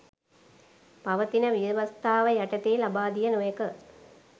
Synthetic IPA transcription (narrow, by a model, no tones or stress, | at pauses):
pɐʋɐt̪inəʋijɐʋɐst̪aːʋəjaʈɐt̪eːlabaːd̪ijənojɐkə